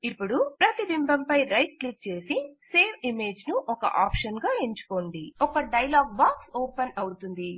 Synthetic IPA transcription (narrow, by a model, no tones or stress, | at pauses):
ipːuɽupɾɐt̪id̪imbɐmpɐjɾɐjʈ̚klik̚t͡ʃe̞ːsise̞ːʋʰimeːd͡ʒnuʔɔkɐ̰ʔaːpʂɐnɡaːeɲt͡ʃu̥ko̞ːɳɖiɔkɐɖɐjɐlaːɡ̚baːksoːpɐnɐwut̪und̪i